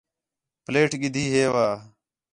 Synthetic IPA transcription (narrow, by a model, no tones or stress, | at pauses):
pleːʈɡɪd̪ʱiːɦeːʋaː